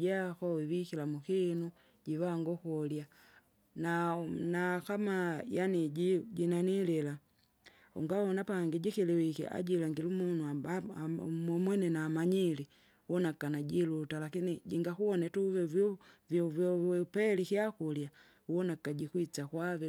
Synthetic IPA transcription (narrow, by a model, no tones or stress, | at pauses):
akɔwiwikilamukinu | ɟivaŋɡɔkɔlja | nanakamajaniɟiɟinanilila | ṵŋɡawɔnapaŋɡiɟikiliwikḭʔa̰ɟilaŋɡilumunua | mɔmwɛnɛnaːmaɲili | wɔnakanaɟilutalakiniɟiŋɡakuwɔnɛtuvɛvvvɔpɛlikiakulja | uwɔnakaɟikwit͡sakwavɛ